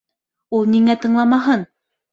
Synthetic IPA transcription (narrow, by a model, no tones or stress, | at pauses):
ulˠniŋæt̪ɤ̆ɴlˠɑmɑɦɤn